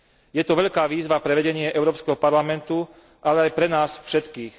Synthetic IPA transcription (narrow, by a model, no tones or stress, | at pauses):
jɛt̪ɔʋɛʎkaːʋiːzʋapɾɛʋɛɟɛɲɪɛʔɛʊɾɔːpskɛɦɔpaɾlamɛnt̪u | ʔalɛajpɾɛnaːsfʃɛt̪kiːx